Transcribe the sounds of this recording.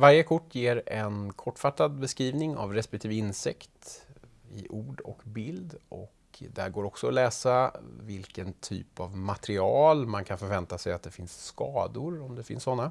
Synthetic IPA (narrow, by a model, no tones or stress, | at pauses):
vaɾjəkʰʊʈːjeːɾɛnkʰɔʈːfat̪ːad̪̚bɛskɾiːvnɪŋa̰vɾɛspɛk̚t̪ʰiːvəɪnsɪkt̪ | ɪʔuːɖɔ̰kbɪld̪ɔ̰k | d̪æ̰ɾɡoːɾɔksɔɔlɛːsavɪlkənt̪ʰy̰ːpavmat̪ɾɪɑːlmankʰanfœɾvɛnt̪asɛjat̪̚d̪ɛfɪnsːkɑːd̪ʊɾɔmd̪ɛfɪ̰nsːɔnːa